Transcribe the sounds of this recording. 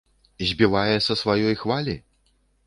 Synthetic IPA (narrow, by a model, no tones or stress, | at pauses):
zʲbʲivajɛsɐsvajɔjxvalʲi